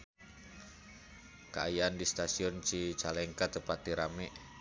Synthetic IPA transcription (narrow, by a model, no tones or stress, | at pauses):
kəajaandist̪asiɔnt͡ʃit͡ʃalɛŋkat̪əpat̪iɾamɛʔ